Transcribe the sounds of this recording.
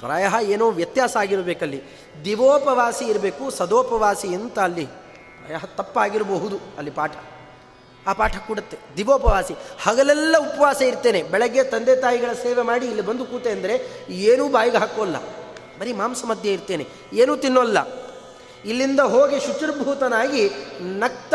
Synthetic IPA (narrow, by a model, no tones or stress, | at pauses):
pɾɐjɐɦɐeːnoːʋjɐt̪jaːsɐaːɡiɾɐbeːkɐlːi | d̪iʋoːpɐʋaːsiːɾɐbe̞ːkusɐd̪oːpɐʋaːsient̪ɐːlːi | pɾɐ̰jɐɦɐt̪ɐpːaːɡiɾɐbɐɦud̪uɐlːipaːʈʰɐ | aːpaːʈʰɐkuːɽɐt̪ːe̞d̪iʋoːpɐʋaːsihɐɡɐlɛlːɐupɐʋaːsɐiɾt̪ːe̞ːne̞bɛɭɐɡːet̪ɐnd̪et̪aːjiɡɐɭɐseːʋemaːɽiːlːibɐnd̪ukuːt̪eɐnd̪ɐɾe̞eːnuːbaːjɐɡɐɦaːkoɐlːɐ̰ | bɐɾimaːmsɐmɐd̪ʱjɐiɾt̪eːne | eːnuːt̪inːolːɐ̰ | ilːind̪ɐɦoːɡiʃut͡ʃɐɾbʱuːt̪ɐnaːɡinɐk̚t̪